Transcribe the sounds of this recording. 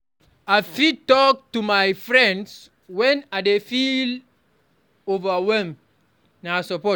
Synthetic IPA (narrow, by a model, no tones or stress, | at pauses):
aɪfidtɔk̚tumajfɹɛ̃nds | wɛ̃naɪdefil | ovawɛlm | nasəpɔ